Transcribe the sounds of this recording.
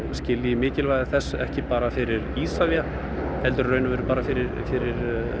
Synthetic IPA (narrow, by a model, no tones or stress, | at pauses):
scɪːliɪmɪːcɪlvajðɪθɛsːɛhcɪpaːɾafɪɾɪɾiːsavja | hɛlt̪ʏɾrœːɥnʏvɛːɾʏpaːɾafɪɾɪɾfɪɾɪɾ